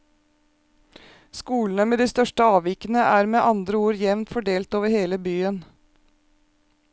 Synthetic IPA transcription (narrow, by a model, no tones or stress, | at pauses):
skuːlnəmeːd̪iːst̪œʃʈəɑːʋiːkənəʔæːɾmeːʔɑnd̪ɾəuːɾjɛʋnt̪fɔɖeːlt̪oːʋəɾheːləbyːən